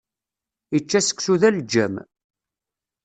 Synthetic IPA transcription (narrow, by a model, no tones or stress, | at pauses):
it͡ʃːæsə̥kːsuðæld͡ʒːæ̰m